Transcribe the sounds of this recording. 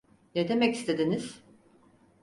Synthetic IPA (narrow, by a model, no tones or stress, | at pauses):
ned̪e̞mɛci̥st̪ʰe̞d̪iniz̥